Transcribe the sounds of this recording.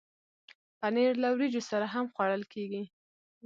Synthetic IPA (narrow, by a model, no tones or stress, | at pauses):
paneɾlawɾid͡ʒosaɾaɦamxwɑɽəlkeɡi